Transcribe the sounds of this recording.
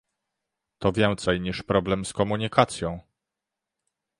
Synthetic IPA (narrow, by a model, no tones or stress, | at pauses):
t̪ɔvʲjɛnt̪sɛjɲiʂpɾɔblɛmskɔmuɲikʰat̪sʲjɔ̃w̃